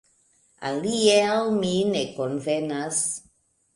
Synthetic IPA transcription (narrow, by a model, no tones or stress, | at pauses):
a̰liealminekonvenas